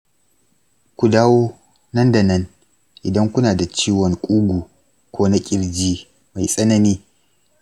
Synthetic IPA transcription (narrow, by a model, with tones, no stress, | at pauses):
kʷu˨daː˦woː˦ | nɐ˦nda˨nɐ˦n | ʔɪ˨dɐ˦ŋkʷʊ˦naː˨da˨t͡ʃiː˦wɔ˨ŋkʷʼuː˦ɡʷuː˨ | kʷʰoː˦na˦kʲʼɪ˦ɽd͡ʒiː˦ | ma˨jsʼɐ˦nɐ˦niː˦